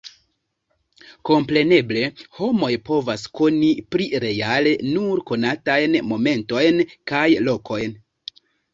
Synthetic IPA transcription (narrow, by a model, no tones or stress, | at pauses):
ko̞mpɾe̞ne̞ble̞ho̞mo̞jpo̞vasko̞nipɾiɾe̞ale̞nuɾko̞natajnmo̞me̞nto̞jnkajlo̞kʰo̞jn